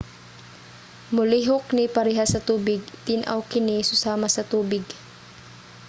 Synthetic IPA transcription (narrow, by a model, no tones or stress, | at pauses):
mʊliɦoknɪpɐɾɛɦasɐt̪uːbɪɡ̚t̪ɪnʔa̰wkɪnɪsʊsaːmɐsɐt̪uːbɪɡ